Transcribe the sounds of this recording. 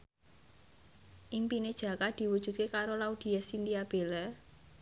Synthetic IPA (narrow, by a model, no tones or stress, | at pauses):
ʔimpined̥ʒ̥ä̤kad̪̥i̤wud̥ʒ̥ṳd̪̚kekaɾolaud̪̥i̤jasind̪iab̥elɛ